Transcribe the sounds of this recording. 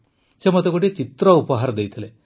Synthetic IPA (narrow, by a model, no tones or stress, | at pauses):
t͡ʃemɐt̪ekoʈit͡ʃit̪ɾɐupɐɦaːɾɐd̪ejt̪ʰɐle